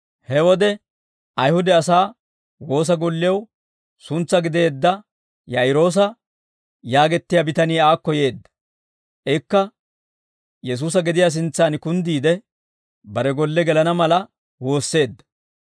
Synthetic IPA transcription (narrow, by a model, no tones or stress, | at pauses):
hɛwɔd̪ɛ | ʔɐjhʊd̪ɛɐsaː | wo̞ːs̬ɐɡɔlːɪjɐw | sʊnt͡sːɐɡɪd̪e̞ːd̪ːɐ | jɐɪɾo̞ːs̬ɐ | jaːɡɛt̪ːɪjabɪt̪ɐniːaːkːɔje̞ːd̪ːɐ̥ | ʔɛkːɐ | jɛs̬uːsɐɡɪd̪ɪjas̬ɪnt͡sːaːnkʊnd̪iːd̪ɛ | bɐɾɛɡɔlːɛɡɛlɐnɐmɐlɐ | wo̞ːsːe̞ːd̪ːɐ̥